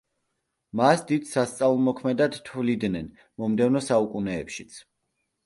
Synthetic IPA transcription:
masd̪id̪̥sast̪sʼavlˠmɔkʰmɛd̪ad̪t̪ʰvlid̪nɛn | mɔmd̪ɛvnɔsaukʼunɛːpʃi̥t̪sʰ

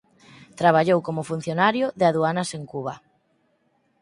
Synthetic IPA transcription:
t̪ɾaβ̞aʎowkomʊfun̟θjonaɾjʊðɪaðuanaseŋkuβa

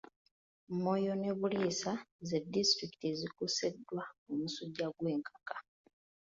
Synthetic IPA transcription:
mmo̞jo̞ne̞βulisazedistɾikitezikusedːwaumusuɟaɡwe̞ːŋkʰḁkḁ

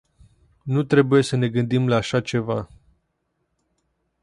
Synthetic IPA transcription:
nut̪ɾe̞buje̞səne̞ɡɨnd̪imlaːʃat͡ʃe̞va

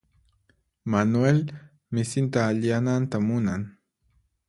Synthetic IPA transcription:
manwel | mɪsɪnt̪aːʎanant̪amʊnaŋ

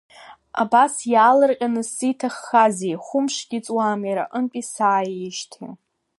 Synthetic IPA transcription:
a̰basjaːlɨrqʲʼanɨsitʰaχːazejχʷʊmʂɡʲit͡sʼwaːmjaɾa̰ʔənpʼisaːjɪʃtʰḭ

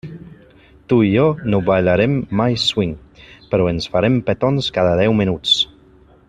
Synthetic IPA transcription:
t̪uiɔnoβaʎaɾemːajswiŋpəɾɔensfaɾempet̪onskaðəðɛwminut͡s

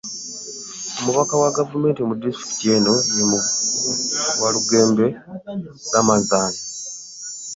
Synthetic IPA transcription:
omuβakawaɡavume̞ːntimudistɾi̥ki̥tieno̞jemu | waluɡe̞ːmbe̞ | ɡamazaːna

